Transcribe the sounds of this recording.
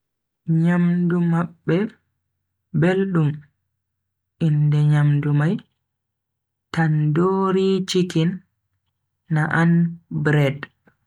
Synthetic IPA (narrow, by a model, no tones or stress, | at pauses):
ɲamdumaɓːɛ | belɗum | ʔindɛɲamdumaj | tandoːɾit͡ʃikin | aʔanbɾɛd